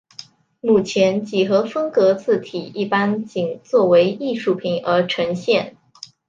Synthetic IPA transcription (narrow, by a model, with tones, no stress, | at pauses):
mu˨˩t͡ɕʰjɛ˧˥nt͡ɕi˨˩xɤ˧˥fɤ˥ŋkɤ˧˥t͡sɹ̩˥˩t̪ʰi˨˩ʔi˥˩pa˥nt͡ɕi˨˩ŋt͡swɔ˥˩we˧˥ɪi˥˧ʂu˥˩pʰi˧˩˦ŋə˞˧˥ʈ͡ʂʰɤ˧˥ŋɕjɛ˥˩n